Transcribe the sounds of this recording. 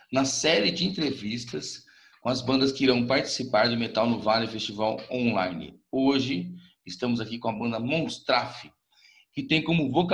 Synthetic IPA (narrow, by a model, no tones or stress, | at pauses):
nɐsɛɾɪd͡ʒɪẽt̪ɾevist̪ɐs | kõɐzbɐ̃nd̪ɐskɪiɾɐ̃w̃paɾt͡ʃi̥sipaɾd͡ʒɪmet̪awnʊvalɪfest͡ʃivawõlajnɪ̰oʒɪ | ɪst̪ɐ̃mʊzakikõɐbɐ̃nd̪ɐmõst̪ɾafɪ | kɪt̪ẽj̃kõmʊvok